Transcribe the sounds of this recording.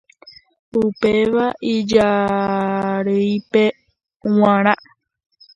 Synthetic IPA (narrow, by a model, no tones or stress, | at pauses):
upe̞ʋaʔid͡ʒa | ɾɨjpe̞ | w̃ãɾ̃ã